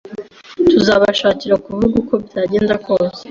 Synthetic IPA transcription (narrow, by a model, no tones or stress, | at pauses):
tuzaβaʃaːciɾakuvuɡuko̞bɟaːɟe̞ːndako̞ːze̥